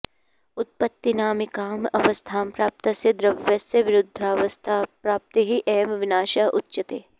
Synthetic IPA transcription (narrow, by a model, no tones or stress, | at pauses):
ʊt̪̚pɐt̪ːinaːmikaːmɐʋɐst̪ʰaːmpɾaːp̚t̪ɐsed̪ɾɐbʋjɐsjɐʋɪɾʊd̪ʱːaːʋɐst̪ʰapɾaːp̚t̪iɦiʔɛːmʋɪnaːʃaʔʊtːʃɐt̪eː